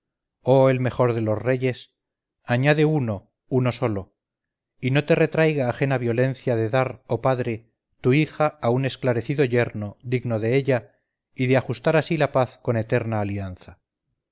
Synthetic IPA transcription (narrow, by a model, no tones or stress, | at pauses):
o̞e̞lme̞xo̞ɾðe̞lo̞zre̞ʝe̞s | aɲaðe̞uno̞ | uno̞so̞lo̞ | ino̞t̪e̞re̞t̪ɾajɣaːxe̞naβjo̞le̞nθjaðe̞ðaɾopaðɾe̞ | t̪uixaːune̞sklaɾe̞θiðo̞ʝe̞ɾno̞ðiɣno̞ðe̞eʎa | iðeaxust̪aɾasilapaθko̞ne̞t̪e̞ɾnaːlianθa